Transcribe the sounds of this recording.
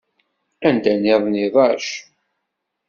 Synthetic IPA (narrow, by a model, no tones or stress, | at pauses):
ænd̪ænɪðˤniðˤɑʃ